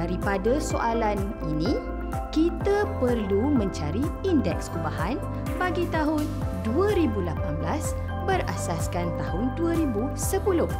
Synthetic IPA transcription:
daɾipadasoʔalan | inĩ | kit̪apərlumə̃ɲt͡ʃaɾiindɛkskubahan | paɡit̪aɦʊnduəɾibulapanblas | bəɾa̰saskant̪aɦʊnduəɾibu | səpulʊh

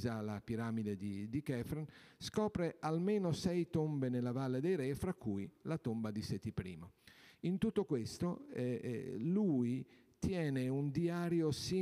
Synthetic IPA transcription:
zalapiɾaːmid̪ed̪id̪ikɛfɾanskɔːpɾeʔalmeːnosɛjt̪ombenelavalːed̪ɛjɾɛfɾakːuːilat̪ombad̪isɛt̪ipɾḭːmoint̪ut̪ːokwest̪oɛlui | t̪jɛːneund̪iaːɾjosi

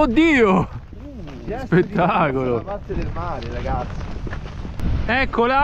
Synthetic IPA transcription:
od̪ːiːo | spet̪ːaːkolod̪elmaːɾeɾaɡat̪sːi | ɛkːola

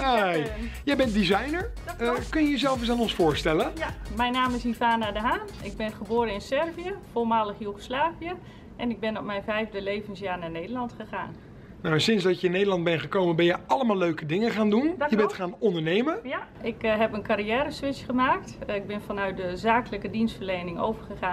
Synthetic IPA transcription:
ajjɛjbɛnt̚dizajnəɹkønjəjəzɛlˠfəs̬aːnɔnsfʊːɹstɛləmɛjnaːmɪsivaːnadəɦaːnɪɡ̚bɪnχəboːɾəɪnsɛrvijəfolˠmaːləχjuɣoslaːviə | ʔɛnɪɡ̚bɪnɔp̚mɛjnvɛjvdəlejvənsjaːɹnaneːdəlɑntχəχa̰ːn | nawɛnsɪnsdɑtjəɪnːejdəlɑnd̚bɛnχəkowmənbɛnjəɑləmaːlˠløɥkədɪŋəχaːndundjəbɛtχaːnɔndəɹnejməjaɪkɦɛpənkaɾijɛːɾəsʋɪsχəmaːk̚tɪɡ̚bɪnfɔnœɥt̚dəzaːkələkədinstfərlejnɪŋo̰wvəχəχaː

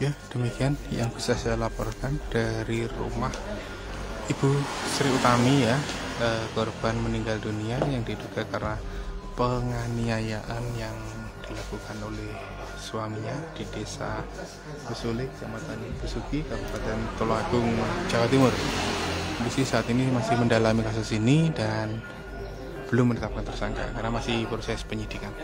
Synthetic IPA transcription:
jad̥əmikianja̰ŋb̥isasajalapɔrkand̥aɾirṵmah | ibusəɾiut̪amija | əkɔrb̥anməniŋɡalduniajaŋdiduɡakarnapəŋaniajaʔanjaŋ | d̥ilakukanolɛh | suamiɲad̥idesa̰ | b̥əsulɪt̪̚d͡ʒamat̪anab̥əsukikəbpadant̪olɔŋaɡʊŋd͡ʒawat̪imʊr | abisisaːt̪inimasɪhməndalamikas̬ʊsinidan | b̥əlʊmːənət̪ap̚kant̪ərsa̰ŋka̰karənamasɪhpɾosɛspəɲid̥ikan

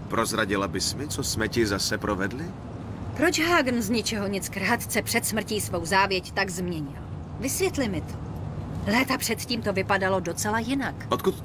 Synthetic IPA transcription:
pɾozɾaɟɪlabɪsmɪt͡sosmɛcɪzasɛpɾʔovɛdlɪ | pɾo̞t͡ʃɦaːɡn̩zɲɪt͡ʃɛɦo̞ɲɪt͡skɾɦat̪t͡sɛpr̝̥ɛt̪smr̩ciːsvo̞wzaːvjɛct̪aɡzmɲɛɲɪ̰l | vɪsvjɛt̪lɪmɪt̪ʰo̥lɛːt̪apr̝̥ɛt̪ciːmt̪o̞vɪpadalo̞do̞t͡sɛlajɪnakʔot̪̚kut̪

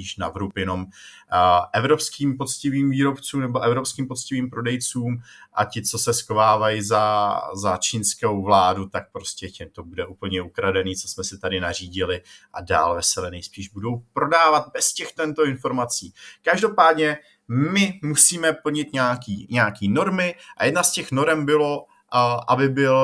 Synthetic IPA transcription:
iːʃnavɾupjɛno̞m | ʔɛvɾo̞pskiːmpo̞t͡scɪviːmviːɾo̞pt͡suːmnɛbo̞ʔɛvɾo̞pskiːmpot͡scɪviːmpɾo̞dɛjt͡suːm | ʔa̰cɪt͡so̞sɛsxovaːvajɪzazat͡ʃiːnskowvlaːdut̪ak̚pɾo̞scɛcɪt̪o̞budɛʔuːpl̩ɲɛukɾadɛniːt͡so̞smɛsɪt̪adɪnar̝iːɟɪlɪʔada̰ːlvɛsɛlɛnɛjspiːʒbudo̞wpɾo̞daːvat̪̚bɛscɛxt̪ɛnt̪o̞ɪnfo̞ɾmat͡siːkaʒdo̞paːdɲɛ | mɪmusiːmɛpl̩ɲɪt̪ɲaːkiːɲɛaakiːno̞ɾmɪʔajɛdnascɛxno̞ɾɛmbɪlo̞ | ʔabɪbɪl

